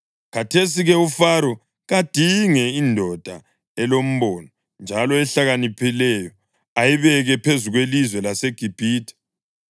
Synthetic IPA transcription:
kʰatʰes̬iɣɛufaɾɔ | ɣad̥ʱiŋɛindʱɔd̥ʱa | ɛlom̩βɔnɔ | nd͡ʒʱalɔɛɬaɣanipʰilɛjɔ | ajiβɛɣɛpʰezuɣwelizwɛlaseɡ̥ʱib̥ʱiːtʰɛ̥

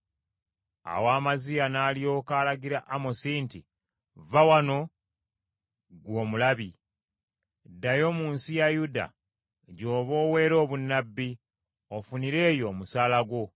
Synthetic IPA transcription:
a̰waːmazijanaːlio̞ːkaːlaɡiɾaʔamosinti | vawano̞ | ɡwo̞ːmulaβi | dajo̞muːnsijajuda̰ | ɟo̞ːβo̞ːwe̞ːɾo̞ːβunːabːi | ofuniɾe̞ːjo̞musaːlaɡwo̞

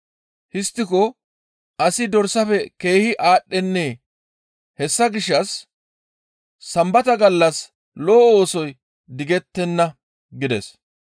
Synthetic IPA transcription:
hɪst̪ːɪkɔ | ɐsɪd̪ɔɾsɐfɛke̞ːhɪʔaːɗːɛnːeː | hɛsːɐɡɪʃːɐs | ɐmbɐt̪ɐɡɐlːɐs | loːoːsɔj | d̪ɪɡɛt̪ːɛnːɐ | ɡɪd̪ɛ̰s

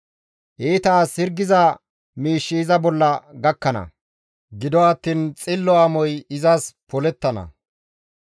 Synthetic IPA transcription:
ʔeːt̪aːsɪɾɡɪzɐ | miːʃːiːzɐbɔlːɐɡɐkːɐnɐ̰ | ɡɪd̪ɔɐt̪ːiːnt͡sʼɪlːɔamɔjɪzɐspɔlɛt̪ːɐnɐ̰

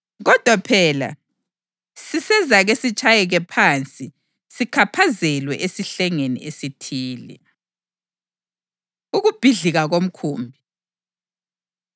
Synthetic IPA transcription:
ɣɔd̥ʱwapʰɛːla̰ | sisɛzaɣesit͡ʃʼajɛɣɛpʰant͡sʼi | sikʰapʰazɛlwɛʔesiɬɛŋenḭesitʰiːlḭ | uɣub̥ʱiɮiɣaɣom̩kʰuːmbʱi

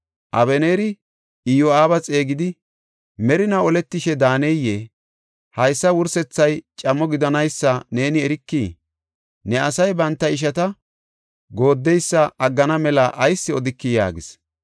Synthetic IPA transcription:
ʔɐ̰βɛneːɾɪ | ɪjoaːbɐt͡sʼe̞ːɡɪd̪ɪ | mɛɾɪnɐɔlɛt̪ːɪʃɛd̪aːnɛje | hɐjsːɐwʊɾsɛt͡sːɐjt͡ʃʼɐmɔɡɪd̪ɐnɐjsːɐne̞ːnɪɛɾɪkːiː | nɛɐsɐjbɐnt̪ːɐɪʃ̬ɐt̪ɐ | ɡo̞ːd̪ːɛjsːɐɐɡːɐnɐmɛlɐʔɐjsːɪɔd̪ɪkːɪja̰ːɡɪs

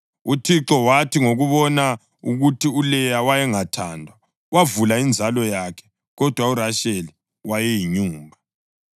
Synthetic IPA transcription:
utʰiǁɔwatʰiŋoɣuβɔna | uɣutʰiulɛjawajɛŋatʰaːndʱwa | wavulaind͡zʱalɔjakʰɛ̥ | ɣɔd̥ʱwauɾaʃeli | wajɛjiɲuːmbʱa

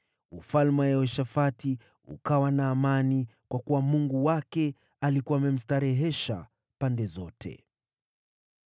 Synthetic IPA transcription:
ufalmajaɔʃafati | ṵkawanaːmanikwakuwamuŋɡuwakɛ | alikuamɛm̩staɾɛɦɛʃa̰ | pandɛzɔtʰɛ̰

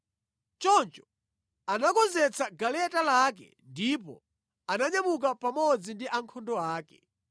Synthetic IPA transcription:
t͡ʃɔnt͡ʃɔ̥ | anakɔnzɛt͡sʰaɡalɛtalak̬ɛ̰ndipɔ̰ | anaɲamuk̬apamɔd͡zindiʔaŋkʰɔndɔaːkɛ

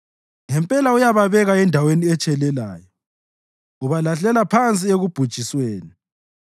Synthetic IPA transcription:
ŋɛmpʼɛlaujaβaβɛɣaɛndʱaweniɛt͡ʃʼɛlɛla̰ːjɔ | uβalaɬɛlapʰant͡sʼieɣub̥ʱud̥ʒ̥ʱisweːni

